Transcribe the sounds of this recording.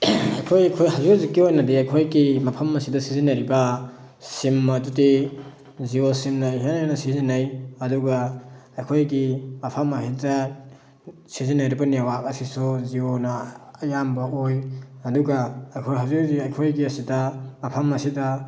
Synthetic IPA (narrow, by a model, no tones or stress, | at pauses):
ɐjkʰojɐjkʰojɦɐzuzikiojnɐdiɐjkʰojɡimɐpʰɐmːɐsidɐsizinɐjɾibɐ | simːɐdudi | ziosimnɐɦinanɐsizinajɐduɡɐɐjkʰojɡimɐpʰɐmɐhitɐ | sizinajɾibɐniawakɐsisuzionɐːjambɐʔojɐduɡɐːjkʰojɦɐzuziɐjkʰojɡiɐsidɐmɐpʰɐmɐsidɐ